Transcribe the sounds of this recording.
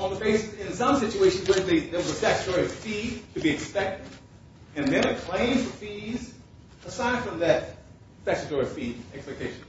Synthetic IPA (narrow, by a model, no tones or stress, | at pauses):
ə̃nðəbeɪsɨsɪ̃nsʌ̃msɪt͡ʃueɪʃɨ̃nzwə˞ðɨðəʌzɨstæksɨtʰɔɹiʌv̥fitʰɨbiɨkspɛk̚tɨɾ | ɨ̃nðɨ̃nɨkʰl̥ẽɪ̃mz̥fə˞fiz | əsaɪd̥fɹʌ̃mðɨt̚ | tæksɨtɔɹiʌ̥fiɛkspɛk̚tʰeɪʃn̩